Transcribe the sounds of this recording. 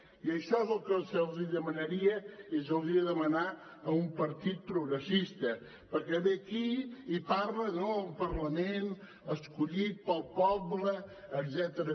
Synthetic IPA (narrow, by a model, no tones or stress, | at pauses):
iəʃɔzəlˠkəsəlˠziðəmənəɾiəezəlˠd̪ɾiəðəməna | əumpəɾt̪it̪̚pɾuɣɾəsist̪ə | pəɾkɛβekiipaɾlənoəlˠpəɾlɐmen | əskuʎit̪̚pəlˠpɔbləːd̪zɛt̪əɾə